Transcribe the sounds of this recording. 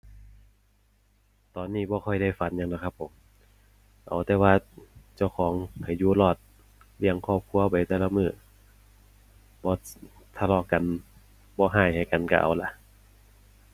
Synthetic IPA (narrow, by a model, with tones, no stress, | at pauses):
t̪ɔː˨nːiː˧˩bɔː˧˦kʰɔ˧˩jda˥˩˨jfa˨˦njaː˧ŋla˧˥kʰa˧pʰːo˨˦m | ʔa̰˨˩wt̪ɛː˧waː˧t͡ɕa˧˩wkʰɔː˨˦ŋpʰa˨˩jjuː˧lɔː˧˩t̪̚ | li˧˩əŋkʰɔː˧˩p̚kʰu˧˨ɐpa˨jt̪ɛː˧la˧mɯː˧˩ | bɔː˧˦ | t̪ʰa˧lɔː˧˩ka˨n | bɔː˧˦ɦaː˧˥˩jha˨˩jka˨nka̰˧ʔa̰˨˩wla˧ʔ